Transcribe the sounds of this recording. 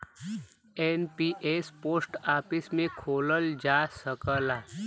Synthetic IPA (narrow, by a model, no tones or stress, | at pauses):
enpiʔesposʈaːpismẽkʰoləld͡ʒasəkəla